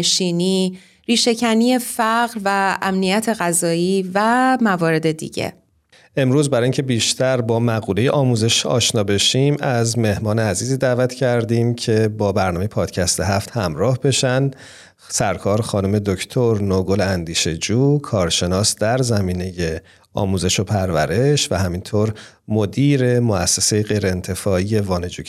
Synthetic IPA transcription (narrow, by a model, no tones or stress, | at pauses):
ʃiːniː | ɾiːʃe̞cʰæniːje̞fæɣɾvæːmnijæt̪ʰe̞ɣæzɒːiːvæmævɒːɾe̞d̪e̞d̪ḭːɟḛ | ʔe̞mɾuːzbæɾɒːiŋcʰebiːʃt̪ʰæɾbɒːmæɣuːle̞jeʔɒːmuːze̞ʃɒ̰ːʃnɒːbe̞ʃimæzme̞hmɒːneæziːziːd̪æːvæt̪ʰcʰæɾd̪iːmcʰe̞bɒːbæɾnɒːmejepʰɒːd̪̥cʰæst̪eɦæft̪hæmɾɒːhbe̞ʃæn | sæɾkʰɒːɾxɒːnume̞d̪ocʰt̪ʰoɾnoɡolænd̪iːʃe̞d͡ʒuːkʰɒːɾʃe̞nɒːsd̪æɾzæmiːne̞je̞ | ɒ̰ːmuːze̞ʃo̞pʰæɾvæɾe̞ʃvæɦæmint̪ʰoɾ | mo̞d̪iːɾe̞moæsːesejeɣe̞jɾeːnt̪ʰe̞fɒːije̞vɒːne̞d͡ʒuː